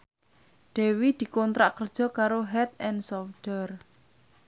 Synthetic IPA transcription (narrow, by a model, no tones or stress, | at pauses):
ɖ̪̥ɛ̤wid̪̥i̤kɔnt̪ɾaʔkərd̥ʒ̥ɔ̤kaɾoɦɛt̪̚ɛnsɔfd̥ər